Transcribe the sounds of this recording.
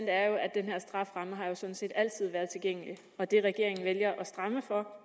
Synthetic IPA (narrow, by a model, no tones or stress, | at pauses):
n̰d̥æɐjo̝ʔæd̥enheɐ̰sd̥ʁɑ̈fʁɑ̈məɦɑ̈jo̝sɒ̽n̩se̝̰ːd̥æl̰̥t͡sʰið̞̰ˠʋæɐðˠt͡sʰe̝lɡ̥eŋ̰əli | ɒ̽d̥e̝ʁɛɡ̥e̝ɐ̰e̝ŋn̩ʋeljɐʔɒ̽sd̥ʁɑ̈məfɒ̽